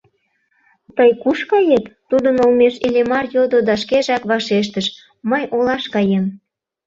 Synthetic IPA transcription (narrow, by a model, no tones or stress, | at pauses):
t̪əjkuʃkɑjet̪t̪ud̪ənolmeʃilemɑrjod̪od̪ɑʃkeʒɑkβɑʃeʃ̬t̪əʃ | məjʔolɑʃkɑjem